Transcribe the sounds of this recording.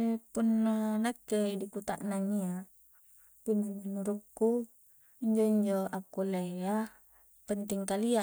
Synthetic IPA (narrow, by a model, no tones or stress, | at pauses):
punːanakːedikut̪a̰ʔnaŋia | pund͡ʒiinuɾukːu | iɲd͡ʒoiɲd͡ʒoakːulea | pənt̪iŋkalia